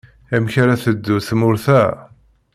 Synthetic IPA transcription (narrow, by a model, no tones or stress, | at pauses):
æmçaɾaθəd̪ːuθmʊɾθæ